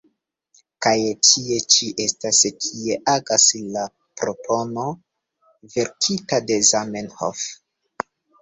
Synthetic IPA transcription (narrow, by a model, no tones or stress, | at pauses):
kajtʰie̞t͡ʃiʔe̞staskʰie̞ʔaɡasla | pɾopʰo̞no̞ | ve̞ɾkʰitade̞zamenho̰f